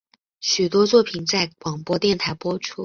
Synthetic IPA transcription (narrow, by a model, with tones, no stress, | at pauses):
ɕy˨˩t̪wɔ˥t͡swɔ˥˩pʰi˨˩nt͡sa˥˩ɪkwɑ˨˩ŋpwɔ˥t̪jɛ˥˩nt̪ʰa˧˥ɪpwɔ˥ʈ͡ʂʰu˥